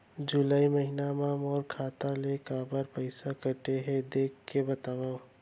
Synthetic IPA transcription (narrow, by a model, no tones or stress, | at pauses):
d͡ʒulaiməɦinamamɔːɾkʰat̪alekabəɾpəɪsakəʈeɦed̪ekːebət̪abə